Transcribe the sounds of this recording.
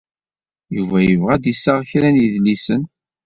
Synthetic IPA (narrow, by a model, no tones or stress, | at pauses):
juvæjəvʁæd̪isːaʁçɾænjiðlisən